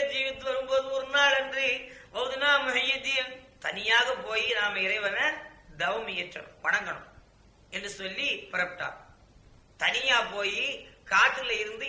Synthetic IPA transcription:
d͡ʒiːʋɪt̪ːɯʋɐɾɯmboːðɯɔɾɯnaːɭɛndriʋɐʋðɯnãːmʊɦɐjit̪ːɪjɐt̪ɐnɪjaːɣɐpoːjinaːmɐɪɾɐɪʋɐnɐd̪ɐʋɐmɪjɛʈrɐ̰pɐɳɐŋɡɐɳɯ̰m | ɛnɯsɔlːipɪɾɐpɪʈːa̰ː | t̪ɐnɪjaːpoːjikaːʈːɯlɐɪɾɯnd̪ɯ

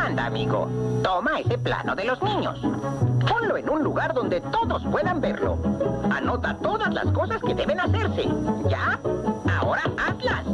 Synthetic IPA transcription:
and̪a̰ːmiɣo̞̰t̪o̞mae̞se̞pla̰no̞ðe̞lo̞znĩɲo̞̰sponlo̞enunluɣaɾðo̞nd̪e̞t̪o̞ðo̞spwe̞ðambe̞ɾlo̰ano̞t̪at̪o̞ðazla̰sko̞saske̞ðe̞βe̞nase̞ɾsḛʝaao̞ɾaʔaslan

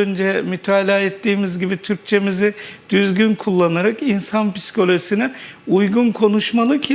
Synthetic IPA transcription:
ønd͡ʒɛmyt̪ʰaːlʲaːɛt̪ːiːmizɟibit̪ʰyɾc̚t͡ʃʰe̞mizɪd̪̥yzɟynkʰulˠːanaɾakinsanpi̥skʰo̞lʲoʒisinɛujɡunkʰo̞nuʃmalˠɯcʰi

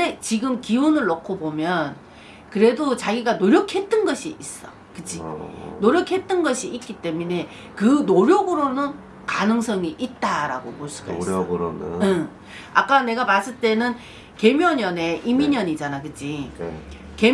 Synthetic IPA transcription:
et͡ɕiɡɯmkiunɯɭːokʰobomjʌn | kɯɾe̞dot͡ɕaɡiɡanoɾjʌkʰe̞t͈ɯnɡʌɕʰiis͈ʌ | kɯd͡ʑinoɾjʌkʰe̞t͈̚ɯnɡʌɕʰiʔik͈it͈e̞mune̞ | kɯnoɾjoɡɯɾonɯn | kanɯŋs͈ʰʌŋiʔit̚t͈aɾaɡopoɭs͈u̥ɡʌ̰ɾonɯʌ | a̰k͈ane̞ɡamas͈ɯɭt͈e̞nɯn | ke̞mjʌɲʌne̞ʔimiɲʌɲid͡ʑanakɯd͡ʑi | ke̞

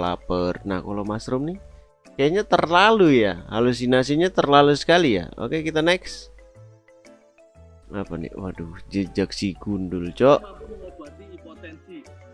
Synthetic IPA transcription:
la̰pərna̰kolomasɾʊmni | kajaɲat̪ərlalujaha̰lus̬inas̬iɲat̪ərlalusə̥kalija̰o̰kekit̪anɛks | apanḭwa̰dud͡ʒəd͡ʒək̚siɡundult͡ʃɔʔ

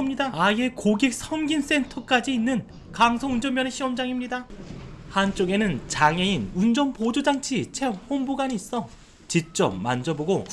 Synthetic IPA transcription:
mɲidaaie̞koɡek̚sʰʌŋɡins͈e̞ntʰʌk͈ad͡ʑiːnːɯn | kaŋsʰoŋund͡ʑʌmjʌneɕʰiʌmd͡ʑaŋimɲidahant͡ɕ͈oɡe̞nɯnt͡ɕaŋe̞inund͡ʑʌnpod͡ʑod͡ʑaŋt͡ɕʰit͡ɕʰe̞ɸonboɡaniːs͈ʌ | t͡ɕik̚t͡ɕ͈ʌp̚ma̰nd͡ʑʌboɡo

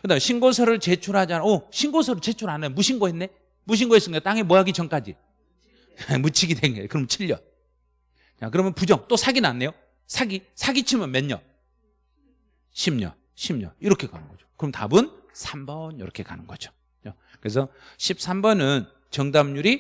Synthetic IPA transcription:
kɯdajɕʰinɡos̬ʰʌɾɯɭt͡ɕet͡ɕʰuɾɦad͡ʑianaoɕʰinɡosʰʌɾɯɭt͡ɕe̞t͡ɕʰuɾanɯjmuɕʰinɡoɦenːe̞ | muɕ̬ʰinŋɡoes͈ɯnɡʌajot͈aŋemwʌaɡit͡ɕʌnk͈ad͡ʑi | mut͡ɕʰiɡidweŋɡʌokɯɾʌmt͡ɕʰiʎːʌ̰ | t͡ɕak̬ɯɾʌmjʌnpud͡ʑʌŋt͈osʰaɡinanːe̞jo | sʰaɡisʰaɡit͡ɕʰimʌnmeɲːʌ | ɕʰimɲʌ̰ | ɕʰimɲʌiɾʌkʰe̞ka̰nɯnɡʌd͡ʑo̥kɯɾʌmʌnta̰bunsʰambʌniɾʌkʰe̞ka̰nɯnɡʌd͡ʑo | jo | kɯɾesʰʌɕʰip̚s͈ʰambʌnɯn | t͡ɕʌŋdamɲuɾi

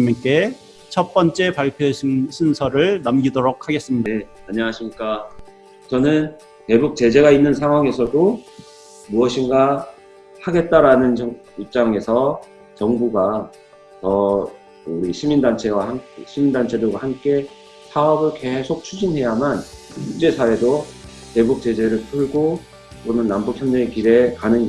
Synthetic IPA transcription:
mik͈e̞ | t͡ɕʰʌt̚p͈ʌnt͡ɕ͈e̞paɭpʰjoɕʰɕʰinsʰʌɾɯɭnamɡidoɾok̚haɡe̞s͈ɯmɲidaeaɲʌŋɦaɕʰimɲik͈a | t͡ɕʌnɯn | te̞buk̚t͡ɕe̞d͡ʑe̞ɣainːɯnsʰaŋɦwaŋe̞sʰʌdo | muʌɕʰiŋɡa | haɡe̞t̚t͈aɾanɯnt͡ɕʌ | ip̚t͡ɕ͈aŋe̞sʰʌ | t͡ɕʌŋbuɡa | tʌ | uɾiɕʰimindant͡ɕʰe̞wahamkɕʰimindant͡ɕʰe̞dɯɭɡwahamk͈e̞ | sʰaʌbɯɭke̞sʰok̚t͡ɕʰud͡ʑinɦe̞jamankuk̚t͡ɕ͈e̞sʰawe̞do | te̞buk̚t͡ɕ͈e̞d͡ʑe̞ɾɯɭtʰɯɭɡo | tonɯnːambuk̚ʰçjʌnekiɾe̞kanɯn

